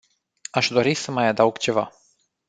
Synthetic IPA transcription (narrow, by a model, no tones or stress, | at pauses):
aʃd̪o̞ɾisəmajad̪awuɡt͡ʃe̞va